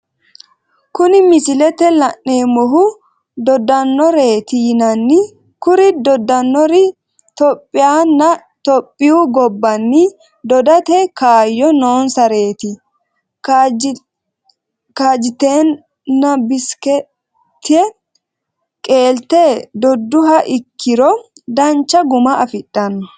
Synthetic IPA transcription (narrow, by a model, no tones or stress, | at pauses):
kʊnɪmɪsɪlɛt̪ɛlɐnːeːmɔɦʊ | d̪ɔd̪ɐnːɔɾe̞ːt̪ɪjɪnɐnːɪ | kʊɾɪd̪ɔd̪ɐnːɔɾɪ | t̪ɔpʼːɪjaːnːɐ | t̪ɔpʼːɪuɡɔbːɐnːɪ | d̪ɔd̪ɐt̪ɛkaːjːɔnoːnsɐɾe̞ːt̪ɪ | kaːd͡ʒɪt̪eːnː | ɐbɪskɛ | t̪ːɪɛ | kʼe̞ːlt̪eːd̪ɔd̪ːʊɦɐʔɪkʰːɪɾɔ | d̪ɐnt͡ʃːɐɡʊmɐɐfɪᶑːɐnːɔ